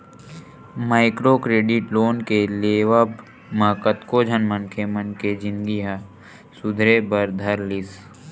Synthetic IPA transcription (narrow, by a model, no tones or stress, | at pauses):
maːɪkɾokɾeːɖɪʈloːnkeleːʋab | makət̪kod͡ʒʱənmənkʰemənked͡ʒɪ̃nɡiɦa | sʊd̪ʱɾebəɾd̪ʱɐɾlɪs